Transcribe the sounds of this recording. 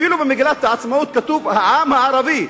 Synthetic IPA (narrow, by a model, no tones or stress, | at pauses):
iːlubɪmɪɡlat̪ːʕɑt̪smauːt̪̚kæt̪uːbʕaːmhaʕɑɾˤɑbiː